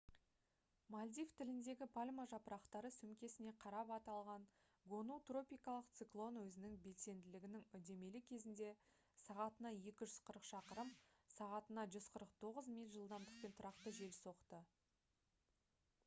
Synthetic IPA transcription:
malʲd̪ʲijft̪ʰɪlɪnd̪e̞ɡʲɪpʰalʲmaʒɑpəɾɑqt̪ɑɾəsɵmkʲe̞sɪne̞qʰɑɾɑpɑt̪ɑlˠʁɑɴ | ɡo̞nut̪ro̞pʲijkɑlˠəq̚t̪sɨklˠo̞nwɵzɪnɪŋbe̞lse̞nd̪ɪlɪɡʲɪnɪŋʏd̪e̞me̞lɪkʲʰe̞zɪnd̪e̞ | sɑʁɑt̪ənɑje̞kʲɪʒʏz̥qʰəɾəqʃɑqəɾəmsɑʁɑt̪ənɑʒʏzqʰəɾəq̚t̪ʰo̞ʁəzmijlʲʒəlˠd̪ɑmd̪əq̚pe̞nt̪ʰʊɾɑqt̪əʒe̞lso̞qt̪ə

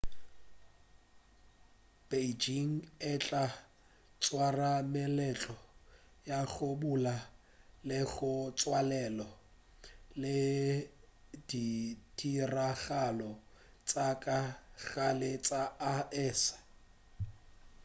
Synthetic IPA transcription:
b̥ed͡ʒiŋ̩ɛt͡ɬʼa | t͡sʼwaramɛlɛt͡ɬʼɔ | jaɣʊbula | lɪɣʊt͡sʼwalɛlɔ | lɪ | didiraɣalɔ | t͡sʼakʼaɣalɪt͡sʼaaɛːsḁ

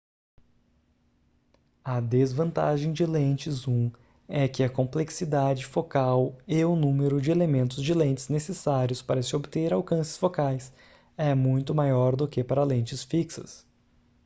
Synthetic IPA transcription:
ɐd̪ezvɐ̃nt̪a̰ʒẽj̃d͡ʒɪlẽt͡ʃɪzũ | ɛkɪɐkõpleksid̪ad͡ʒɪfokaweʊnũmeɾʊd͡ʒɪelemẽnt̪ʊzd͡ʒɪlẽnt͡ʃɪznesesaɾjʊspaɾɐsɪobɪt̪eɾawkɐ̃sɪ̥sfokajs | ɛmũj̃t̪ʊmajɔɾd̪ʊkɪpaɾɐlẽt͡ʃɪsfiksɐ̰s

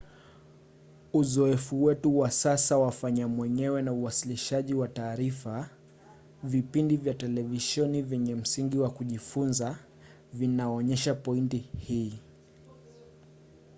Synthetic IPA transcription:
uzɔɛfuwɛtuwasasawafaɲamwɛɲɛwɛnauwasiliʃaʄiwataːɾifa | vipindivjatɛlɛviʃɛnivjɛɲɛm̩siŋɡiwakuʄifunza | vinaɔɲɛʃapɔintihiː

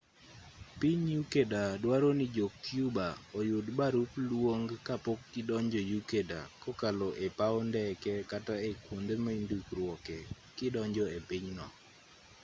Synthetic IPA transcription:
piɲjukedadwaɾonɪd͡ʒok̚tjubaɔjʊdbaɾuplwoŋɡkapokkɪdɔɲd͡ʒɔjukeda̰kɔkalɔʔepaɔndɛkɛkataekwond̪emaindukɾwɔkɛ | kɪdɔɲd͡ʒɔepiɲnɔ

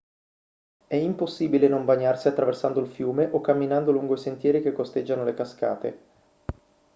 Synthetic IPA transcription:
ɛimposːiːbilenombaɲːarsiat̪ːɾaversand̪oilfjuːmeʔokːamːinand̪oluŋɡoisent̪jɛːɾikekːost̪ed͡ʒːanolekaska̰ːt̪ḛ

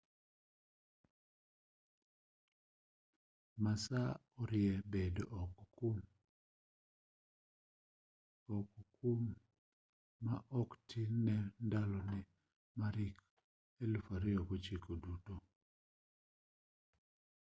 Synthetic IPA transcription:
masaɔɾɪjɛbedoʔɔkkum | ɔkukum | aʔɔktʰinɛndalɔnɛ | maɾik | elfaɾɪokot͡ʃikoduto

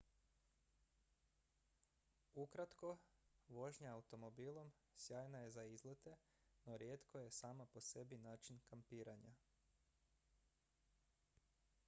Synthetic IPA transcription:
ukɾat̪ko̞ʋo̞ʒɲaaut̪o̞mo̞biːlˠo̞m | sjaːjnaje̞zaizlet̪e̞ | no̞ɾjeːt̪koje̞saːmapo̞se̞binaːt͡ʃinkampiːɾaɲa

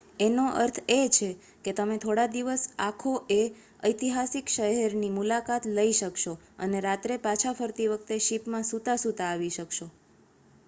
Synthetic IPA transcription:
enoʔə̰ɾt̪ʰet͡ʃʰe | ket̪əmet̪ʰoɽad̪iʋəsakʰoʔe | əjt̪iɦasikʃəɦɛɾnimulakat̪ləiʃəkʃo | əneɾat̪ɾepat͡ʃʰafʰəɾt̪iʋək̚ʰt̪eʃipmãsut̪asut̪aːʋiʃəkʃo

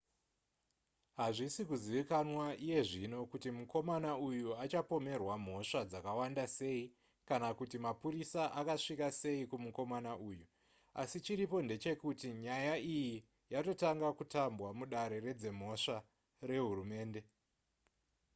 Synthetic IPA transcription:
ɦaʐisikuziʋikanwaije̞ʐino̞kutimuko̞manaujuat͡ʃapo̞me̞rwam̤o̞ʂad͡zakawandase̞i | kanakutimapuɾisaʔakaʂikase̞ikumuko̞manaʔuːju | asit͡ʃiɾipo̞nde̞t͡ʃe̞kutiɲajaiji | jato̞taŋɡakutambwamuɗaɾe̞re̞d͡ze̞m̤o̞ʂa | re̞ɦurume̞ːnde̞

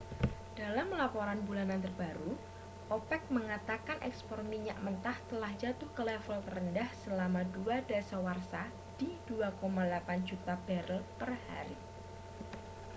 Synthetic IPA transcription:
d̥alamlapoɾanbulanant̪ərbaɾu | ʔɔpɛk̚məŋat̪akanʔɛ̰kspɔrmiɲaʔmənt̪aht̪əlahd͡ʒat̪ʊhkəlɛfɔlt̪ərəndahsəlamaduad̥asawarsa | d̥id̥uakomalapand͡ʒut̪ab̥ɛɾəlpərha̰ɾi

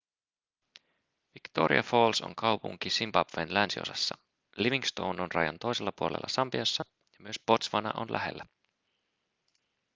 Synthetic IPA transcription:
ʋikt̪o̞̰ɾʔḭɑfo̞ːlso̰ŋkɑwpuŋk̟isimbɑbʋenlænsio̞̰sɑsːɑ | liʋiŋst̪o̞wnonrɑjɑnt̪o̞jse̞lːɑpuolḛlːɑsɑmpiɑsːɑ | jɑmyø̞spo̞t̪sʋɑnɑ̰ʔo̰nlʔæ̰ɦe̞̰lːæ

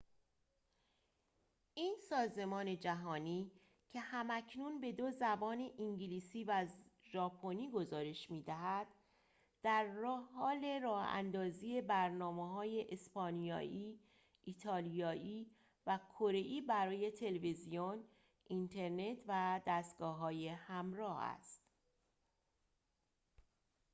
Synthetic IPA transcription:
ʔiːnsɒːze̞mɒːne̞d͡ʒæɦɒːniː | cʰe̞hæmæcʰnunbe̞d̪ozæbɒːneʔiŋɟiliːsiːvæzʒɒːpʰo̞niːɡo̞zɒːɾe̞ʃmiːd̪æɦæd̪̥ | d̪̥æɾːhhɒːle̞ɾɒːhæ̰nd̪ɒːziːe̞bæɾnɒːmeɦɒːje̞ʔespɒːnijɒ̰ːʔiː | ʔiːt̪ʰɒːlijɒːiː | vækʰoɾe̞ʔiːbæɾɒːje̞t̪ʰe̞levizijon | ʔint̪ʰe̞ɾne̞t̪ʰvæd̪æst̪̚ɡ̥ɒːɦɒːje̞hæmɾɒːhæ̰st̪

